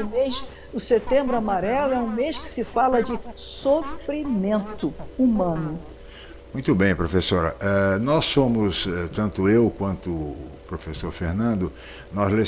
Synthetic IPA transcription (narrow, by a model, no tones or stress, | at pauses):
ʊmes | ʊset̪ẽmbɾʊamaɾɛlʊɛũmeʃkɪ̥sɪfalɐd͡ʒɪsofɾimẽnt̪ʊumɐ̃nʊ | mũj̃t̪ʊbẽj̃pɾofesoɾɐ̰ʔɛnɔsːõmʊsɛt̪ɐ̃nt̪ʊewkwɐ̃nt̪ʊpɾofesoɾfeɾnɐ̃nd̪ʊ | nɔzle